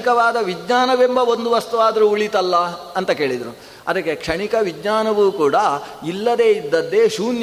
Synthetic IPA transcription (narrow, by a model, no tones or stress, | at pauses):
kɐʋaːd̪ɐʋid̪ɲaːnɐʋembɐo̞nd̪uʋɐst̪uʋaːd̪ɐɾuuɭit̪ɐlːɐɐnt̪ɐke̞ːɭid̪ɐɾu | ɐ̰d̪ɐkːekʂɐɳikɐʋid͡ʒ̪ɲaːnɐʋuːkuːɽɐilːɐd̪e̞ːid̪ːɐnd̪ːe̞ːʃuːnj